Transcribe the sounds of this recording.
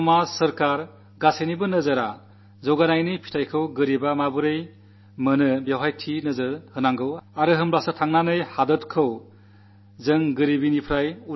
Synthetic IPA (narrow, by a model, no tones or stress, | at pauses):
masɐɾkaɾ | ɡasenibɯnɯzaɾa | zɔɡanajnipʰi̥tʰajkʰɯwɡɯɾibamabuɾɯj | mɯnɯbjewɦajtʰinɯzɯhɯnaŋɡɯwaɾɯɦɯmblasɯtʰaŋnanɯjhadɯtkʰɯw | zɯŋɡɯɾibinipʰɾaju